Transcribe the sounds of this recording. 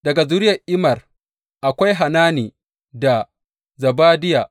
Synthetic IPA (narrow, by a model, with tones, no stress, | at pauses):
dɐ˨ɡa˨zʊ˦ɾɪ˦jɐ˨ʔɪ˦mɐ˨r | ʔa˨kʷa˦jɦa˨naː˦niː˨ | da˨ | zɐ˨baː˦dɪ˦jaː˨ʔ